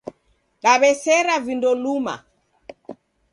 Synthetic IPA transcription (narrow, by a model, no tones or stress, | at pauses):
ɗaβɛsɛɾavindɔluma̰